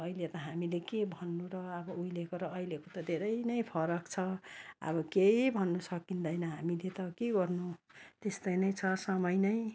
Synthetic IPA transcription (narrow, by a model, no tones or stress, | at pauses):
ʌilet̪ʌɦamilekebʱʌnːuɾʌːbʌujlekoɾʌːilekot̪ʌd̪ʱeɾʌjnʌjpʰʌɾʌkt͡sʰʌʌ̰bʌkejbʱʌnːusʌkind̪ʌjnʌɦamilet̪ʌkeɡʌrnut̪est̪ʌjnʌjt͡sʰʌsʌmʌjnʌj